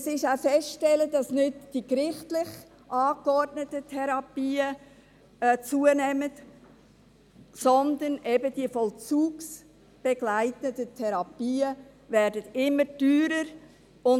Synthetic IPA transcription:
sɪʃafɛsʃtɛlədɑsnɪdd̥ikɾɪχtlɪχ | ʔɑːkɔrdnətətʰɛɾɑpiːə | t͡suənɛmət | sɔndənʔɛbəd̥iəfɔlt͡suːks | b̥ɛɡlaɪtədətʰɛɾɑpiːə | vɛːɾdətɪmːədyːɾəɾ | ʊn

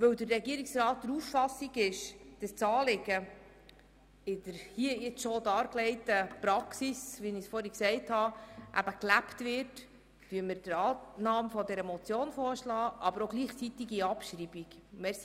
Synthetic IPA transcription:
vɵwd̪ərːɛɡiəɾiksrɑːt̚d̥̪əɾuffɑsːiɡɪʃd̥ɑst͡sɑːlɪɡ̥ə | ɪd̪əɾhiəjɪt͡sʃɔdɑːɾklɛɪtəprɑksisʋinisfɔːɾɛksɛɪthɑʔæ̰bəklæptvɪrt | tyəmɪɾdəɾɑːnɑːmfɔdɛɾəmɔt͡sjoːnfɔːɾʃlɑːʔɑbəɾoɡliːχt͡sit̪iɡiɑpʃɾibiɡmɛs

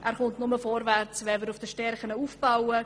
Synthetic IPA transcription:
ʔæːɾχʊntnʊməfɔɾvært͡sʋɛvəɾʊfd̥əʃtɛɾχənəuːfb̥awə

